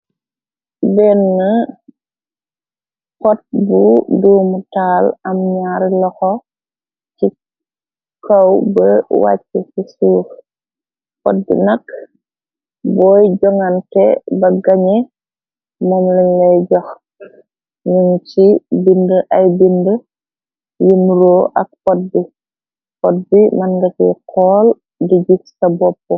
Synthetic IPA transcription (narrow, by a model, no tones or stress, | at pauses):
bɛnŋɐ | kɔt̚buduːmutaːlɐmɲaːɾlɔxɔ | ci | kawbɐwa̰ːt͡ʃːɛsisuːx | kɔ̰t̚dḭnɐk | bɔːjɟɔŋankɛbɐɡɐɲɛ | mɔːmlinlɛjɟɔx | ɲuŋt͡ʃibindəʔɐjbində | jinɾoːʔɐk̚pɔt̚bi | pɔt̚bimɐnɡɐcikʰɔːl | diɟuksɐbɔpːɔ